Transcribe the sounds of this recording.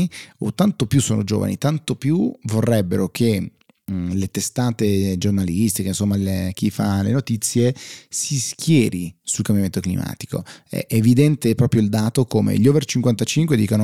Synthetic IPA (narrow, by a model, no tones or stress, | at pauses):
o̰t̪ːant̪opjusːoːno̰d͡ʒo̰ːva̰nḭt̪ant̪opjuvorːɛbːeɾokʰe | let̪est̪aːt̪ed͡ʒornalist̪ikeinsomːalek̟ifa̰lenot̪it̪sːjesiskjɛːɾisulkambjament̪oklḭma̰ːt̪i̥ko̰ɛ̰ʔeːvid̪ɛnt̪epɾɔːpɾjoild̪aːt̪okomḛʎɔːvert͡ʃiŋkwant̪at͡ʃiŋkwed̪iːkono